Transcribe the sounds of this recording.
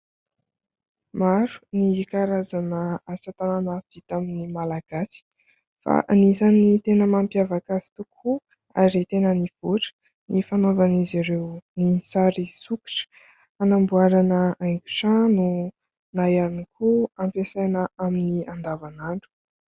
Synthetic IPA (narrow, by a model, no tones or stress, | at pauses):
maɾu̥nikaɾazanəasat̪ananəv̥it̪aminimalaɡ̥asi̥ | fa̰ʔanizanit̪enəmampjavakazi̥t̪ukʰu | a̰ɾit̪enəniv̥uʈ͡ʂə̥ | nifanovaniziɾewnisaɾisuki̥ʈ͡ʂə̥ | anambuaɾanəaŋkʲu̥ʈ͡ʂãnu | najanikʰuampesajnəaminiand̪avanaɳɖ͡ʐu̥